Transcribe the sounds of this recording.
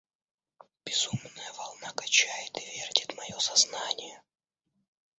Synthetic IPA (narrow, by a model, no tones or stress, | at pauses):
b̥ʲɪzumnəjəvɐlˠnakɐt͡ɕæjɪt̪ɨvʲerdʲɪt̪mɐjo̞sɐznanʲɪjə